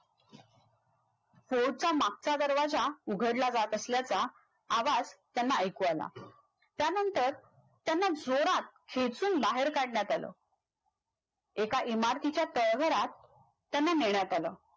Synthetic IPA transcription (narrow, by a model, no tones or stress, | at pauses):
foɽt͡samak̚t͡sad̪əɾʋad͡zauɡʱəɽlad͡zat̪əsljat͡saː | ʋad͡zt̪janːaəjkuala̰ | t̪janənt̪əɾ | t̪janːad͡zoɾat̪̚kʰet͡suːnbaɦeɾkaɽɳjat̪alə̰ | ekaʔimaɾt̪it͡ɕjat̪əɭɡʱəɾat̪ː | janːaneɳjat̪alə̰ː